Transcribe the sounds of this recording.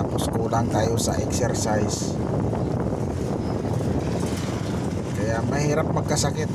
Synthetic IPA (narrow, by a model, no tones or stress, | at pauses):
puskuudaŋkajusa̰ʔɛksɛrsais | kajamaɦiɾəp̚məkasakit̪